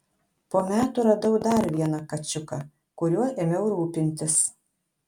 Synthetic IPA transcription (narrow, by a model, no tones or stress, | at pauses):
poːmʲæːt̪ʊɾɐd̪ɐʊd̪ɐɾʋʲiɛnɐkɐt͡ʃʲʊkɐ | kʊɾʲuɔemʲɛʊɾuːpʲɪnʲt̪ʲɪs